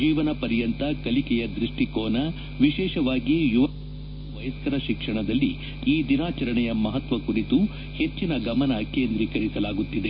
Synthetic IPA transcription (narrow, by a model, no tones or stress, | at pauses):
d͡ʒiːʋɐnɐpɐɾjɐnt̪ɐkɐlikɛjɐd̪ɾiʂʈikɔːnɐ | ʋiʃɛːʃɐʋaːɡijuʋɐ | ɐʋɐjɐskɐɾɐʃikʂɐɳɐd̪ɐlːiː | d̪inaːt͡ʃɐɾɐɳɛjɐmɐɦɐt̪ʋɐkuɾit̪u | he̞t͡ʃːinɐɡɐmɐnɐkeːnd̪ɾikɐɾisɐlaːɡut̪ːid̪e